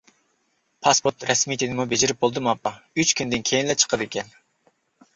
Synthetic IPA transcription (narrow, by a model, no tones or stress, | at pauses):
pʰɑspoɾt̪ɾɛsmijt̪ʰinɪmubed͡ʒɪɾɪp̚bolˠd̪ɨmɑpːɑyt͡ʃkʲʰynd̪ɪnkʲʰejinlɛt͡ʃʰə̥qʰəd̪ekʲʰɛn